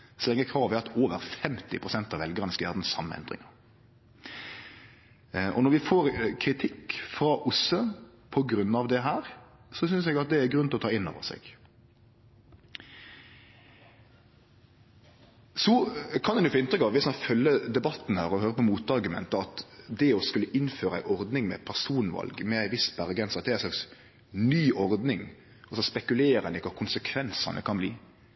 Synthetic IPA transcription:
sɔlɛŋːəkʰʁɑːʋɛɑt̪ʰoːʋə̰ɾfɛmt̪ɪ̰pʰɾʁʊsɛnt̪ɑʋɛlɡəʁnəsjæ̰ʁd̪n̩sɑ̰mːə̰ɛ̰nd̪ʁɪ̰ŋɑɾ | ʔɔ̰nɔɾʋɪfoːɾkʰɾɪt̪ʰɪkːfɾɑʔʊsə | pʰɔɡɾʉnɑʋd̪ɛɦæːɾ | sɔsʏnsɛɡɑt̪̚d̪ɛæɾɡɾʉnɪlɔt̪ʰɑːɪnːɔ̰ʋə̰sɛ̰ɡ̥ | sɔkʰɑnd̪ɛnjʊfoːɪnt̪ɾʏkɑʋʋɪsɑnfœlːəd̪ɛbɑt̪ːn̩hæːɾɔhøːɾəpɔmuːt̪ɑɾɡʉmɛ̰nt̪əɑt̪d̪ɛɔskʉlːəʔɪnːføːɾəæ̰ɪʔɔɾd̪nɪŋmɛ̰pʰæʁsuːnʋɑ̰lɡmɛæɪʋɪsbæɾəɡɛnsɑt̪̚d̪ɛæɪslɑks | nyːʔɔɾd̪nɪŋ | ɔsɔspɛkʉleːɾɛnɪkɑkʰʊnsəkʰʋɛnsɑ̰nə̰kʰɑnblḭː

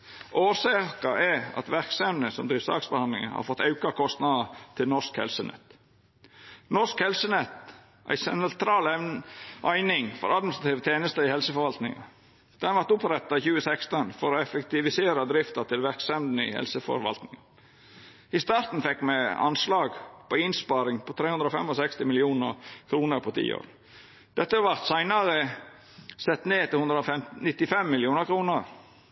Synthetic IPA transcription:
ʔoːsɛkɑʔɛɑ̰t̪ʋæɾksɛmd̪əsɔmd̪ɾiːʋsɑ̰ːksbəhɑnd̪ɪŋəhɑ̰ːɾfɔt̪ːɑʉkɑkʰɔst̪nɑd̪ət̪ʰɪlnɔʂkhɛ̰lsənɛ̰t̪ː | nɔʂskhɛlsənɛt̪ | ʔæ̰ɪsɛnt̪ʰɾɑːlɛʔæɪnɪŋfɔ̰ɾɑd̪mɪnsɾɑt̪iːʋt̪ʰeːnəst̪əɪhɛlsəfɔɾʋɑlt̪nɪ̰ŋɑ | d̪̥ɛnʋɑɾt̪ʊpɾɛt̪ːɑiçʉːəsɛkst̪ənfɔɾɔɛfəkt̪ɪʋɪseːɾəd̪ɾɪft̪əɾt̪ʰɪlʋæɾksɛmd̪n̩ḭːhɛ̰lsəfɔ̰ɾʋɑ̰lt̪nɪŋɑ | ɪst̪ɑːɾt̪n̩fɛkːmɛɑ̰nslɑːɡpʰɔɪnspɑːɾɪŋpʰɔt̪ʰɾeːhʉnd̪ɾəɔːfɛmɔsɛkst̪ɪmɪlɪuːnəɾkʰɾuːnəɾpʰɔt̪ʰḭːo̰ːɾ | d̪̥ɛt̪ːəɑʋɑɾt̪sæɪnɑɾə | sɛt̪ːneːt̪ɪlhʉnd̪ɾəɔfɛmnɪt̪ːɪfɛmːɪlɪuːnəɾkʰɾuːnəɾ

